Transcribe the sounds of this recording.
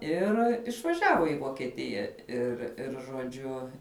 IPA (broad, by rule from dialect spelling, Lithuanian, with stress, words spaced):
ˈɪr ɪʃʋɐˈʒʲæːʋoː iː ʋoːkʲiɛˈtʲɪjɛ ɪr ɪr ʒoːˈd͡ʒʲʊ